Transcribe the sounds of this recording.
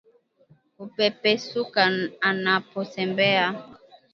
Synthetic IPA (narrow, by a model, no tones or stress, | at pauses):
opɛpɛsukaanaposɛmbɛa